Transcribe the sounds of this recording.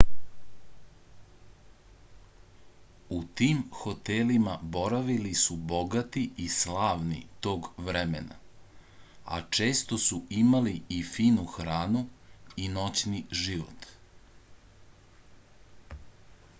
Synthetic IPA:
ut̪iːmxo̞t̪elimabo̞ɾaʋilisubo̞ɡat̪iislaːʋnḭt̪o̞ːɡʋɾemena̰ | a̰t͡ʃe̞ːst̪osuimaliːfiːnuxɾaːnuino̞t͡ɕniʒiʋo̰t̪

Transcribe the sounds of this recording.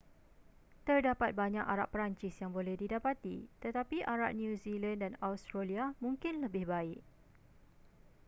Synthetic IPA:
t̪ərdapat̪̚baɲãkaɾa̰ʔ̚pɾaɲt͡ʃɪsjaŋbolɛhdidapat̪ḭt̪ət̪apiʔaɾa̰ʔ̚njũzilãndanawst̪ɾaliamũŋkɪnləbɪhbaɪʔ̚

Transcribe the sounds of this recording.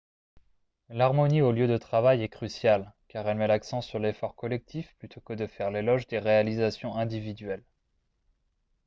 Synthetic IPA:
laʁmɔnioljød̪ət̪χavajɛkχysjalkaʁɛlmɛlaksɑ̃syʁlefɔʁkɔlɛk̚t̪ʰifplyt̪ʰokəd̪əfɛʁlelɔʒd̪eʁealizasjɔ̃ɛ̃d̪ivid̪ɥɛl

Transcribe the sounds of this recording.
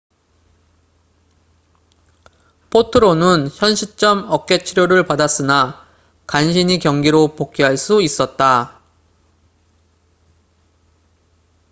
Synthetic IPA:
pʰotʰɯɾonɯnçʰjʌnɕʰit͡ɕ͈ʌmʌk̚k͈e̞t͡ɕʰiɾjoɾɯɭpadas͈ɯna | kanɕʰiɲikjʌŋɡiɾopok͈̚ʰiɦaɭs͈uis͈ʌt̚t͈a

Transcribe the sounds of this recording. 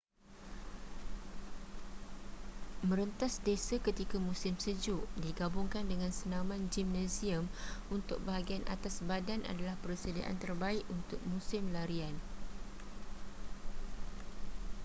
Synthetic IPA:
mə̃ɾənt̪asdesakət̪ikamũsɪmsəd͡ʒuʔdiɡabuŋkandəŋãnsənãmãnd͡ʒimnãsiəmunt̪ʊk̚baɦaɡianʔa̰t̪asbadana̰dalahpərsədia̰ʔa̰nt̪ərbaɪʔunt̪ʊk̚mũsɪmlaɾian

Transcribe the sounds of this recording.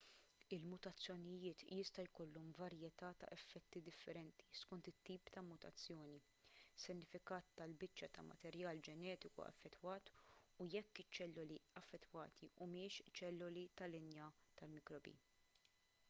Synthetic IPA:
ɪlmʊt̪ɐt͡sːjɔnɪjɪːt̪jɪst̪ɐjkɔlːɔmvɐɾjɛt̪ɐːt̪ɐ̰ʔɛfːɛt̪ːid̪ɪfːɛɾɛnt̪i̥skɔnt̪ɪt̪ːiːpt̪ɐmʊt̪ɐ̰t͡sːjɔːni | sɪɾnːɪfɪkɐːt̪ːɐlbɪt͡ʃːɐt̪ɐ̰mɐ̰t̪ɛɾjɐːld͡ʒɛnɛːt̪ɪkṵɛ̰fːɛt̪ːwɐːt̪ujɛkːɪt͡ʃːɛlːʊliɐfːɛt̪ːwɐ̰ːt̪ʰiʔʊmɪːʃt͡ʃɛlːʊlit̪ɐlɪnjɐt̪ɐlmɪkɾɔbḭː

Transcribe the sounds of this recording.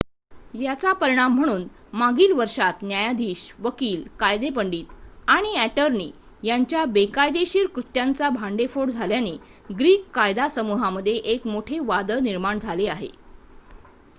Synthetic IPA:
jat͡sapəɾiɽ̃am̤ːəɽ̃uːn | maɡiːlʋəɾʂat̪njajad̪ʱiːɕʋəkiːlkajd̪ep̬əɳɖiːt̪aɽ̃iæʈəɾnḭː | jaɲt͡ɕjabekajd̪eɕiːɾkɾut̪jant͡sabʱaɳɖefoɽd͡zʱaljane | ɡɾiːkːajd̪asəmuɦaməd̪ʱːjeʔekmoʈʰeʋad̪əniɾmaɳd͡zʱaleaɦḛ

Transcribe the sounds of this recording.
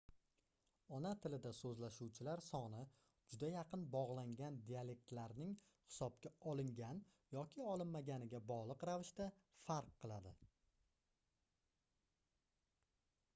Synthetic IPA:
ɒnat̪ʰɪlɪd̪asɵzlaʃuwt͡ʃʰɪlaɾsɒnɪ | d͡ʒʊd̪ajaqɨnbɒʁlˠaŋɡʲand̪iale̞k̚t̪laɾnɪŋ | hɪ̥sɒb̚kʲaɒlˠɪŋɡʲan | jɒkʲʰɪɒlˠɪnmaɡʲanɪɡʲabɒʁlˠɨqɾavɪʃt̪afaɾqʰːɨlˠad̪ɪ

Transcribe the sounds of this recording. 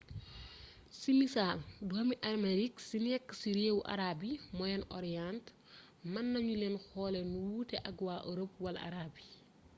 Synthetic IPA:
simisalduhɐmiʔɐrmeɾiksinɛkːsiɾeːwʔɐ̰ɾaːbimɔjɛnʔɔɾijant | mɐnːɐɲulɛnxɔːlɛnuwuːtɛʔɐɡwaːʔoɾəpwɐlʔɐ̰ɾaːbi

